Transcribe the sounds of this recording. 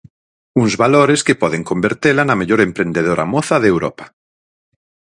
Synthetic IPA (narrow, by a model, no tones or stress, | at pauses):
uŋzβaloɾeskɪpɔðeŋkombeɾt̪elanɐmeʎoɾempɾend̪eð̞oɾʔa̰moθɐðewɾɔ̰pḁ